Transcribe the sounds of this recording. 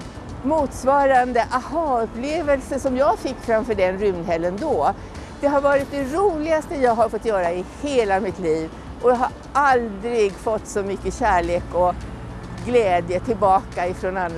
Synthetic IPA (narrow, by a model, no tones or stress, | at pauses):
muːt̪svɑːɾand̪əʔahɑːɵpleːvəlsəsɔmjɑːɡfɪkːfɾamfœːɖɛnɾʏmd̪ɦɛlːənd̪ɔ | d̪̥ɛɦaɾvɑːɾɪt̪̚d̪ɛɾuːlɪɡast̪əjɑːɡɦaɾfɔt̪ːjœːɾaɪheːlamɪt̪liːv | ʔɔjɑɦaɾ | ʔald̪ɾɪɡfɔt̪ːsɔmʏkːəɕæːɭeːkɔ | ɡlɛːd̪jət̪ʰɪlbɑːkaɪfɾɔnanː